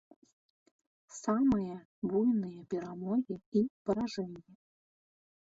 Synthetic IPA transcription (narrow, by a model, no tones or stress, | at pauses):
samɨjɛ | bujnɨjɛpʲɛɾamɔɣʲiipɐɾaʐɛnʲjɛ